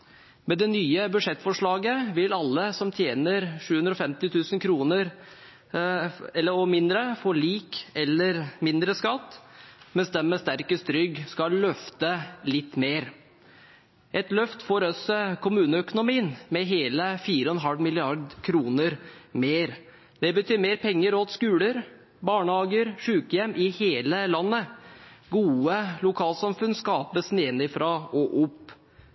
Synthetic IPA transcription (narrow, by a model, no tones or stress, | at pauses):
mɛd̪ɛnyːəbʉʂɛt̪ːfɔʂɭɑːɡəʋɪlɑlːəsɔmt̪ʰjeːnəɾʂʉːʉnɾɔfɛmt̪ɪt̪ʰʉːsənkʰɾuːnəɾ | ɛlːəɔmɪnd̪ɾəfoːliːkɛlːəɾmɪnd̪ɾəskɑt̪ːmɛnsd̪ɛmːɛst̪æɾkəst̪ɾʏɡskɑllœft̪əlɪt̪ːmeːɾ | ʔɛt̪lœft̪fɔɾɔsɔkʰʊmʉːnəœkʊnʊmiːənmɛɦeːləfiːɾəɔɛnɦɑlʋmɪlɪɑɾd̪kʰɾuːnəɾmeːɾ | d̪̥ɛbət̪ʰyːɾmeːɾpʰɛŋːəɾɔt̪skʉːləɾ | bɑːɳəhɑːɡəɾʂʉːkəjɛmːʔɪheːləlɑnːəɡuːəlʊkʰɑːlsɑmfʉnskɑːpəsneːnɪfɾɑʔɔʔʊpː